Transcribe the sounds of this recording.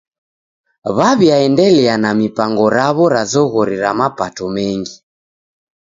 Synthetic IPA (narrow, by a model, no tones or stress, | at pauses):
βaβjaɛndɛlɛanamipaŋɡɔɾaβɔɾazɔɣɔɾiɾamapatɔmɛŋɡi